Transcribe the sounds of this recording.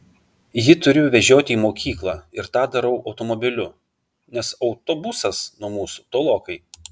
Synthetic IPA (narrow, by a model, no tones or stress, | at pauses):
jɪt̪ʊɾʲʊʋʲɛʒʲoːt̪ʲɪiːmoːkʲiːklˠɑːɪɾt̪ɑːd̪ɐɾɐʊʔɒʊt̪omɔbʲɪlʲʊ | nʲɛsɒʊt̪obʊsɐsnuɔmuːsu̥t̪oːlˠoːkɐɪ